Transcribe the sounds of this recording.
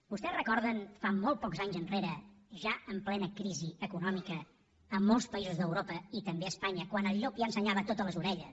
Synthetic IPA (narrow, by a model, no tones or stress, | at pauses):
b̥ust̪ɛsrəkɔɾðənfamolˠt̪̚pɔkzaɲzənreɾəʒaəmplɛnəkɾiziəkunɔmikəː | molˠspəizuzðəwɾopəit̪əmbeəspaɲəkwanəʎːopiənsəɲaβət̪ot̪ələzuɾɛʎə